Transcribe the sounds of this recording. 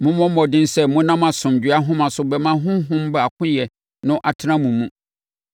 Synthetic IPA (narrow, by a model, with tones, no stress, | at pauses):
mʊ̃˦mɔ̃˦m˦ɔ˨dɪ̃˦n˦sɛ˦mʊ̃˦nã˦mã˨sʊ̃˨m˨d͡ʑᶣɥa˦ɦʊ̃˦mã˨sʊ˨bɛ˨mã˦ɦʊ̃˦ɦʊ̃˦m˦ba˨kʰʊ̃˦jɛ˨ | nʊ̃˦ʔa˨tʰɪ˦nã˦mũ˨mũ˦